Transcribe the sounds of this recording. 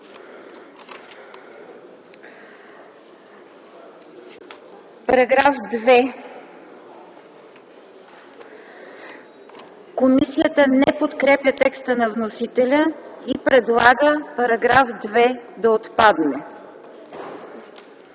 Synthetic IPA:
pɐɾɐɡɾafd̪vɛ | komisiət̪ənɛpot̪kɾɛpjət̪ɛkst̪ənɐvnosit̪ɛlʲəipɾɛd̪lˠaɡəpɐɾɐɡɾafd̪vɛd̪ɐot̪pad̪nɛ

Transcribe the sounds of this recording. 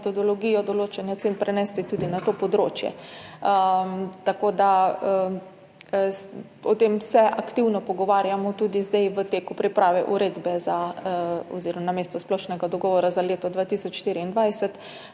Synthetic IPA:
t̪ɔd̪ɔlɔɡiːjɔd̪ɔloːt͡ʃɛnjat̪senpɾɛnɛst̪it̪ud̪inat̪opɔd̪ɾoːt͡ʃjɛ̰ət̪akoːd̪a | ɔt̪emsɛʔakt̪iwnɔpɔɡɔʋaːɾjamɔt̪uːd̪izd̪ɛjʋət̪eːkupɾipɾaːʋɛʔuɾeːd̪bɛza | ɔ̰ziːɾɔmnameːst̪ɔsplɔʃnɛɡad̪ɔɡɔːʋɔɾazaleːt̪ɔd̪ʋaːt̪iːsɔt͡ʃʃt̪iːɾiind̪ʋajsɛt̪

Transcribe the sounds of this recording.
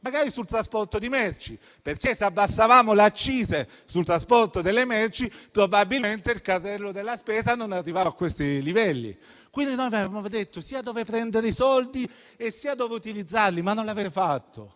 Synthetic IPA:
maɡaːɾisult̪ɾaspɔrt̪od̪imɛrt͡ʃi | perk̟eseabːasːavaːmolat͡ʃːiːze | sult̪ɾaspɔrt̪od̪elːemɛrt͡ʃipɾobabilment̪eilkart̪ːɛlːod̪elːaspɛːzanonarːivaakːwest̪ilivɛlːḭ | kwind̪inojvavamod̪et̪ːosiːad̪ɔːvepɾɛnd̪eɾeisɔld̪i | esːiːad̪ɔːveut̪ilid̪zːarlimanːonlavetfat̪ːo

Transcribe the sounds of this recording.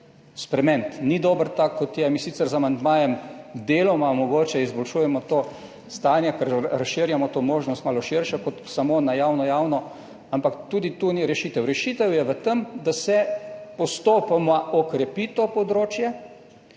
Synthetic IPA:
spɾɛmɛ̃nt̪nid̪oːbəɾt̪akʰːɔt̪jɛmiːsit̪sɛɾzamand̪maːjɛmd̪eːlɔmamɔɡoːt͡ʃɛizbɔlʃuːjɛmɔt̪oː | st̪aːnjɛkɛɾɾasʃɪɾjamɔt̪oːmoːʒnɔst̪maːlɔʃɪɾʃakɔt̪samonajaːwnɔjaːwnɔ | ampakt̪uːd̪it̪uniɾɛʃiːt̪ɛwɾɛʃiːt̪ɛwjɛʋət̪əmd̪asɛpɔst̪oːpamaɔkɾɛpit̪oːpɔd̪ɾoːt͡ʃjɛ

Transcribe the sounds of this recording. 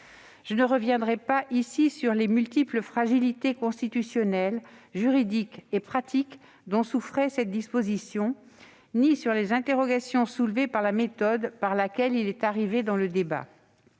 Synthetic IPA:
ʒ̥ənəʁəvjɛ̃d̪ʁɛpaʔisisyʁlemylt̪ipləfχaʒilit̪ekɔ̃st̪it̪ysjɔnɛlʒyʁid̪ikepχat̪ʰik | d̪ɔ̃sufχɛsɛt̪̚d̪ispozisjɔ̃ | nisyʁlezɛ̃t̪eʁɔɡasjɔ̃sulvepaʁlamet̪ɔd̪paʁlakʲɛlilɛt̪aʁived̪ɑ̃ləd̪eba̰

